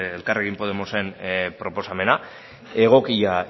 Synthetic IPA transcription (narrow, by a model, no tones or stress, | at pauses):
elkare̞ɣimpo̞ð̞emo̞se̞npɾo̞po̞same̞na | e̞ɣ̞o̞kia